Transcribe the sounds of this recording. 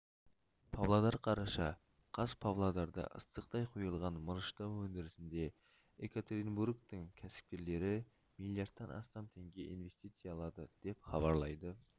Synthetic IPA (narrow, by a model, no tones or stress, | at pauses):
pʰavlˠad̪ɑɾqʰɑɾɑʃɑ | qʰɑspʰavlˠad̪ɑɾd̪ɑ̰ʔə̰st̪əqt̪ɑjqʰujəlˠʁɑnməɾəʃt̪ɑwɵnd̪ɪɾɪsɪnd̪e̞ | ekat̪ɾinburɡt̪əŋkʲʰæsɪ̥p̚kʲe̞ɾle̞ɾɪ | milˠijaɾd̪ːɑnʔɑ̰st̪ɑnt̪ʰe̞ŋɡʲe̞ʔinve̞st̪ijt̪sɨjɑːlˠɑd̪əd̪̥e̞pχɑbɑɾlˠɑjd̪ə